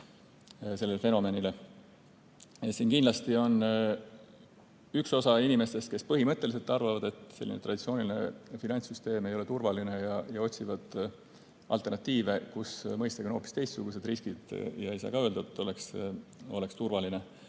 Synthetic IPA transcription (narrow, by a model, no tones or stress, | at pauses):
se̞lːelfe̞no̞me̞nile | ɑsiːnkinlɑst̪io̞n | ykso̞sɑinime̞st̪e̞st̪̚ke̞spɤɦimɤt̪ːˑelis̬e̞lt̪ːˑɑrvɑvɑd̪e̞t̪ːˑse̞lːinet̪ɾʔɑd̥̪it̪sio̞ːnʲilinefinɑnʲt̪syst̪e̞ːme̞jo̞le̞t̪urvɑline̞jɑjɑo̞t̪ʲsivɑd̪̥ | ʔɑ̰lt̪e̞rnɑt̪ːˑiːve̞kusmɤjst̪ɑɡ̥eno̞ːpːist̪e̞jst̪suɡ̥us̬e̞d̪̥riskid̪̥jɑe̞jsɑ̰ːkɑø̞ld̪ɑet̪ːˑo̞le̞kso̞le̞kst̪urvɑline